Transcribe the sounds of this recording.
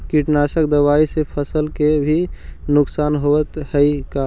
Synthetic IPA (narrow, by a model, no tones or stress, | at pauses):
kiʈnasək̚d̪əwaisepʰəsəlkebʱinʊksanɦoʋət̪həika